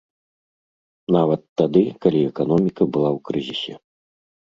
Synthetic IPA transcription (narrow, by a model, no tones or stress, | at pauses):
navɐt̪ːad̪ɨkalʲiɛkanɔmʲikɐbɨlˠawkɾɨzʲisʲɛ̰